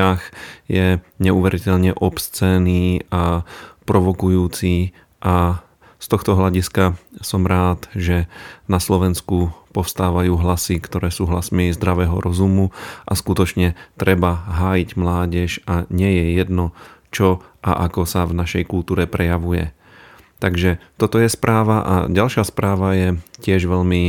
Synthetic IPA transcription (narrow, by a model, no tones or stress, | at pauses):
axjɛɲɛuʋɛɾʔicɛʎɲɛʔɔpst͡sɛːniːapɾɔʋɔkujuːt͡si | ʔa | st̪ɔxt̪ɔɦlaɟiskasɔmɾaːt̪ʒɛnaslɔʋɛnskupɔfst̪aːʋajuːɦlasikt̪ɔɾɛːsuːɦlasmiɪɛzd̪ɾaʋɛːɦɔɾɔzumuʔaskut̪ɔt͡ʃɲɛt̪ɾɛbaɦaːjiɟmlaːɟɛʃaɲɪɛjɛjɛd̪nɔt͡ʃɔʔa̰ʔakɔsavnaʃɛjkult̪uːɾɛpɾɛjaʋujɛ̰ | t̪aɡʒɛt̪ɔt̪ɔjɛspɾʔaːʋaʔa̰ɟalʃaspɾaːʋajɛcɪɛʒʋɛʎmi